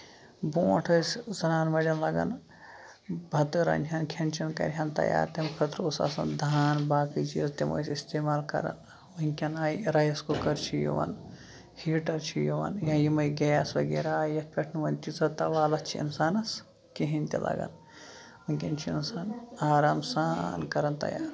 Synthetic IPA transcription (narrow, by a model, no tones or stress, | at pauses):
bõːʈʰɐszɐnaːnmɐɾɐnlɐɡɐ̰n | bʱɐt̪ɨɾɐ̰nʲt͡ʃʰʲɐnkʲʰɐnt͡ʃʰɐnkɐ̰ɾɦɐnt̪ɐ̰ja̰ːɾt̪ɐmkʰɐt̪ɾoːsɐ̰sɐ̰nd̪ʱaːnbaːkɨt͡ʃʰiɐst̪emo̰ːjsist̪eːmaːlkɐ̰ɾɐ̰n | uŋʲkʲɐnaːjɾɐjskokɐɾt͡ʃʰijo̰ʋɐ̰n | hiːʈɐɾt͡ʃʰijoʋɐ̰njɐjimɐjɡejasʋɐɡeːɾajɐtpʲɐʈʰnuʋɐnʲt͡ʃit͡sɐt̪ɐʋaːlɐt͡ʃʰiḭnsaːnɐs | kiɦinʲt̪ʲilʔɐ̰ɡɐ̰n | uŋʲkʲɐnt͡ʃʰiinsaːnaːɾaːmsankɐɾɐnt̪ɐ̰ja̰ːɾ